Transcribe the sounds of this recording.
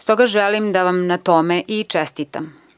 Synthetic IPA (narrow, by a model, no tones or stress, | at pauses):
st̪o̞ɡaʒelimd̪aʋamnat̪omeʔit͡ʂest̪it̪a̰m